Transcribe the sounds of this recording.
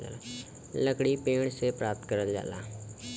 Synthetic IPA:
a̰la | ləkɽiːpeːɳseːpɾaːp̚t̪̚kəɾəld͡ʒa̰ːla̰ː

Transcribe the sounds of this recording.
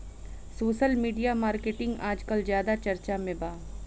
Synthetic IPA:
soːʃəlmiːɖijamaːɾkeʈɪ̃ŋɡaːd͡ʒkɐlzjaːd̪at͡ʃɐɾt͡ʃamẽbaː

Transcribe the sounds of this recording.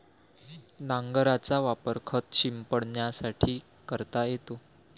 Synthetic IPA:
naŋɡəɾat͡saʋapəɾkʰət̪ɕimpəɽɳjasaʈʰiː | kəɾt̪ajet̪o

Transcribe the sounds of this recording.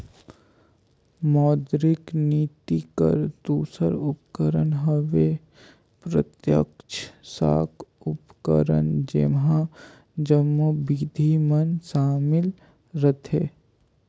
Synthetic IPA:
mɔːd̪ɾɪkniːt̪ikə̰ɾd̪uːsəɾʊpkəɾənɦəʋe | pɾət̪jə̰kt͡ʃʰsa̰ːkʊpkə̰ɾə̰nd͡ʒḛmɦã | d͡ʒəmːubid̪ʱimənsaːmɪl | ɾət̪ʰeː

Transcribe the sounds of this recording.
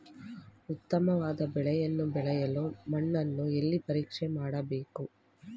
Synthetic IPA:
ʊt̪ːɐmɐʋaːd̪ɐbɛɭɐjɐnːubɛɭɐjɐloːmɐɳːɐnːuɛlːipɐɾiːkʂemaːɽɐbeːku

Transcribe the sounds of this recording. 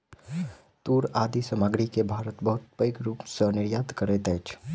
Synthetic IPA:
t̪uɾaːd̪isəmaɡɽikebʱaːɾət̪bəɦʊt̪̚pəɪkɾuːpsənɪɾjaːd̪kəɾɛt̪ɛt͡ʃʰ

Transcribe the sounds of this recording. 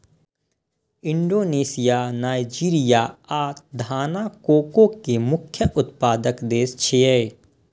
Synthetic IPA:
ɪ̃ɳɖoːneːsijanaːɪd͡ʒiːɾijaaːt̪d̪ʱaːnakoːkõkemʊkʰjəʔʊt̪̚paːd̪əkd̪eːst͡ʃʰeɛ

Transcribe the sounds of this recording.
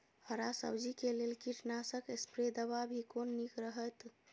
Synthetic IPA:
həɾasə̰bd͡ʒikelelkiʈnasəkespɾed̪əβabʱikonːikɾəɦət̪

